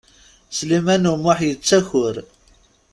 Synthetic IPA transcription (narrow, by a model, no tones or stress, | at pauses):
slimænumʊħjət͡sːæçʊɾ